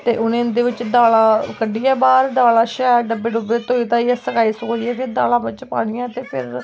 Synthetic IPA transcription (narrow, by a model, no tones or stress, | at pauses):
t̪ḛːʔʊnẽːnd̪eːʋɪt͡ʃːd̪aːlaːkəɖiːɛːbaːɾd̪aːlaːʃɛːɾɖəbeːɖəbeːt̪oːiːt̪ãːiːɛːsəkaːiːsʊkoiːɛːpʰɪɾd̪a̰ːlãːbɪt͡ʃpa̰ːɽ̃iːãːt̪eːpʰɪ̰ɾ